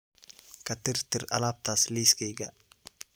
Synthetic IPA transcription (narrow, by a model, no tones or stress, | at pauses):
kʰɐt̪ɪrt̪ɪrɐ̰laːb̚t̪ʰaːsliːskɛjɡɐ